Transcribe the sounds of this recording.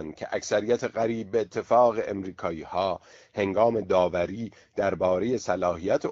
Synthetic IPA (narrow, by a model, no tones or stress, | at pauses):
nd̪̥̚cʲʰeʔæksæɾijæt̪ʰeɣæɾiːb̚ːeːt̪ʰːe̞fɒːɣeʔːmɾiːkʰɒːiːhɒː | he̞ŋɡɒːme̞d̪ɒːvæɾiː | d̪̥æɾbɒːɾe̞je̞sælɒːhɦijæt̪ʰe